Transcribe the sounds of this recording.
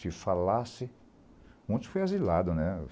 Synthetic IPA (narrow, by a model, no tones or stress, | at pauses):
ɪfalasɪ | mũt͡ʃ̪ʊ̥fojazilad̪ʊnɛ